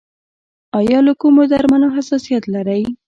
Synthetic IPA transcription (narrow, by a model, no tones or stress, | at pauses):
ɑjɑləkumod̪aɾmanoɦasɑsijat̪laɾaj